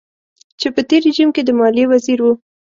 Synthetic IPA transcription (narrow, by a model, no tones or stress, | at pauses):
t͡ʃepət̪eɾiʒimked̪əmɑliwaziɾwu